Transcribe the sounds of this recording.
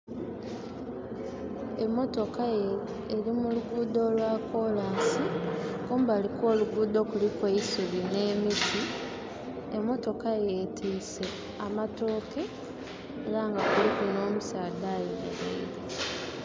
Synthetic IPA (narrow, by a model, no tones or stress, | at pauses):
e̞mːo̞to̞kaje | eɾimuluɡuːd̪o̞lwako̞laːnsikuːmbaːlikwo̞ːluɡuːd̪o̞kulikweisuβine̞ːmiti | emːo̞to̞kajetʰiːse̞ | amato̞ːke̞ː | ɾaŋɡakulikuno̞ːmusaːd̪aːjomḛβḛiɾe